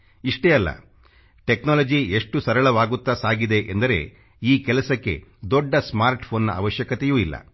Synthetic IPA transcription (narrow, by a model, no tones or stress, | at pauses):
iʂʈeɐlːɐ̰ | ʈe̞knaːlɐd͡ʒie̞ʂʈusɐɾɐɭɐʋaːɡut̪ːasaːɡid̪e̞ʔend̪ɐɾe̞̰ | iːkɛlɐsɐkːe̞̰d̪ɔɖːɐsmaːɾʈpʰoːnːɐ̰ɐ̰ʋɐʃjɐkɐt̪ejuːilːɐ̰